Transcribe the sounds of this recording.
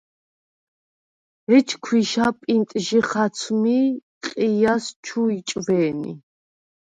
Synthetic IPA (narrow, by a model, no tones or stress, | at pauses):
ɛt͡ʃʰkʰwiʃapʼint̪ʼʒiχat̪sʰmi | qʼijast͡ʃʰuit͡ʃʼvɛːnḭ